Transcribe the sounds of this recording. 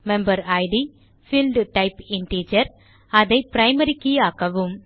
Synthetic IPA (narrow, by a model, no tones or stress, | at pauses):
mɛmbɐɾɐɪɖi | fɪlɖʈɐɪpɪɳʈiːd͡ʒɐɾ | ɐðɐɪpɾɐɪmɐɾɪkːɪjaːkɐʋɯm